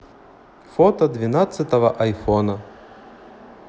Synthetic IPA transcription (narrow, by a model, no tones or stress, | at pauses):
fɔt̪ɐd̪vʲɪnat̪sɨt̪əvəʔɐjfonə